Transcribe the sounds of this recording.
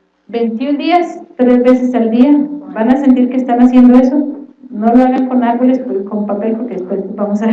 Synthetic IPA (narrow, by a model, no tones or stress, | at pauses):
be̞jnt̪jund̪iast̪ɾe̞zβe̞se̞sald̪iabanase̞nt̪̬iɾkeːst̪anasje̞nd̪o̞e̞so̞no̞lo̞aɣaŋko̞naɾβo̞le̞spko̞mpape̞lpoɾkeðespwe̞zbamosa